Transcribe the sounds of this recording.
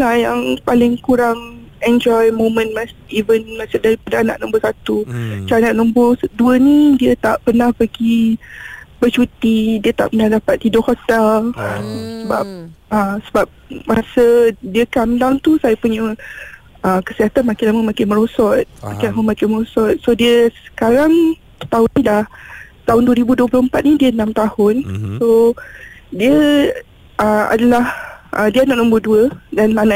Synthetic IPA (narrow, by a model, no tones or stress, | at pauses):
lahjaŋpalɪŋkuɾaŋ | ɛnd͡ʒɔjmõmə̃nmasivənmãsadaɾipadəana̰ʔnɔ̃mbəsat̪ut͡ʃaanãʔnɔ̃mbʊsɔduənĩdiət̪aʔpərnahpəɡi | bət͡ʃut̪idiət̪a̰ʔpənahdapat̪ːidɔʔhɔt̪ɛl | səba̰p̚ʔəsəbap̚masədiəkamdaŋt̪usajapuɲə | əkəsiɦat̪anmãkɪlaməmãkɪnməɾɔsɔt̪̚makɪlaməmãkɪnməɾɔsɔt̪̚sodiəsə̥kaɾaŋ | t̪aɦʊnnĩlaht̪aɦʊnduwəɾibuduəplʊəmpat̪̚nĩdiənãmt̪ahʊnso | diə | ʔəa̰dalahʔədiənaʔnũmbʊduədanlanã